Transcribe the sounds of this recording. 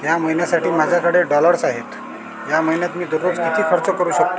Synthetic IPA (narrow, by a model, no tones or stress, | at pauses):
jaməɦinjasaʈiːmad͡ʑʱakəɽeɖɔləɾsaɦet̪ | jaməɦinjat̪miːd̪uɾʋoɡst̪ʰit̪ʰiːkʰəɾt͡səkəɾuːɕək̚t̪o